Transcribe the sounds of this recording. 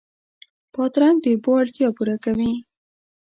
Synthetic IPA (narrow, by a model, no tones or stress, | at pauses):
pɑt̪ɾand̪əbɑɽt̪jɑpuɾakawi